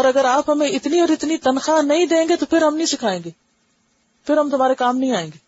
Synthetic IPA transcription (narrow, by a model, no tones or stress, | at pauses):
ɔːɾɐɡəɾaːpɦɐmẽɪt̪niɔːɾɪt̪nit̪ɐnxaːnɐĩd̪ẽːŋɡet̪opʰɪɾɦɐmnɐĩsɪkʰaːẽːŋɡeː | pʰɪɾɦɐmt̪ʊmaːɾekaːmnɐɦĩaːẽːŋɡeː